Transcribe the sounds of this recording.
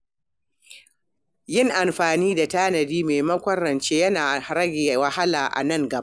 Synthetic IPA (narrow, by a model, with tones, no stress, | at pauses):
jɪ˦ŋʔa˨mɸaː˨niː˦da˨taː˦nɐ˨diː˦meː˨mɐ˦kʷɐ˦ɽɐ˨nt͡ʃeː˦jɐ˦naː˨ɾɐ˦ɡʲeː˨wɐ˨ha˦laː˨ʔa̰˨nɐ˦˨ŋɡɐ˨˦